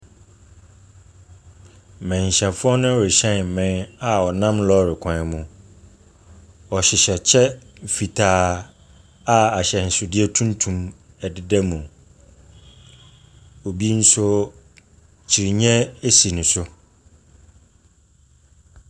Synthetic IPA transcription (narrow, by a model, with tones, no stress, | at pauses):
mɛ̃˨ɲ˨ɕɛ̃˨fʊ˦ɔ˦nʊ̃˦wʊ˨ɕɛ̃˦n˨m̩˨mɪ̃˦na˨ɔ˨nã˦mlɔ˦ɾɪ˨kʷʰã˨mũ˨ | ɔ˨ɕɪ˨ɕɛ˨t͡ɕʰɛ˦˨fi˨tʰaː˨˦ | a˦a˨ɕɛ˨n̩˨sʊ˨dɪ˦ɛ˦tʰũ˦ntʰũ˨m | ɛ˨dɪ˨dɛ˦mũ˨ | o˨bi˦n̩˦sʊ˦ | t͡ɕʰi˨ɾi˨ɲɛ̃˦e˦si˨nʊ̃˨sʊ˦